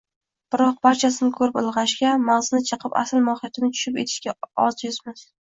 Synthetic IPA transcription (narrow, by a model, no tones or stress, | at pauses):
b̥ɪɾɒq̚baɾt͡ʃʰasɪnɪkʰɵɾɪpɪlˠʁɑʃɡʲamaʁzɪnɪt͡ʃʰɨqʰɨpa̰sɪlmɒhɪjat̪ʰɪnɪt͡ʃ̪ʰʊ̥ʃɪpe̞̰t̪ʰɪ̥ʃkʲaɒzjʊzmɪz̥